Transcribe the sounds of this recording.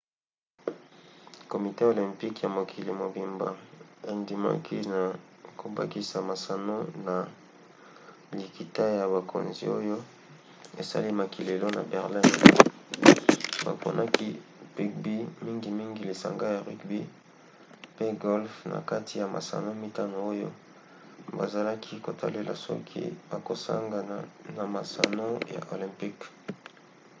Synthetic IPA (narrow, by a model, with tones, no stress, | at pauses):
ko˨mi˨te˦o˨lɛ̃˨mpi˦kja˨mo˨kʰi˨li˨mo˨bi˨mba̰˨e˨ndi˨ma̰˦kʰi˦na˨kʰo˨ba̰˦ki˦˨sa˨ma˨sa˨no˦na˨ | li˨ki˨ta˦ja˨βa˨kʰo̰˨nzḭ˦o˦jo˦ | e˨sa̰˦li˦ma˨ki˨le˨lo˦na̰˨bɛ˨ʁli˦n | ba̰˨ko̰˨nʔa˦ki˦pi˦k̚bi˦mi˦ŋɡi˨mi˦ŋɡi˨li˨sa̰˨ŋɡa˦ja˨ʁi˦kbi˦ | pe˦ɡo˦lfna̰˨ka˦tʰi˨ja˨ma̰˨sa̰˨no˦mi˦ta˦no˨o˦jo̰˦ | ba˨za˨la˦kʰi˦ko˨tʰa̰˦le˦la̰˨sɔ̰˦kʰḭ˦b̥a˨ko˨sa̰˦ŋɡa˨na˨na˨ma˨sa˨no˦ja̰˨ʔo˨lɛ̃˨mpi˦k